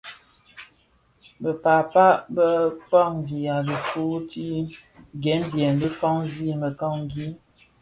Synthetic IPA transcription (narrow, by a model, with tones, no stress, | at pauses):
bə˨pa˨pa˦bə˦k͡pɔ˦˨ŋdi˨a˨biə˨fu˦ti˦ɡɛ˨˦n˦djɛ˨nbə˦fɔ˦ŋzi˦˨mə˨kɔ˦˨ŋɡi˦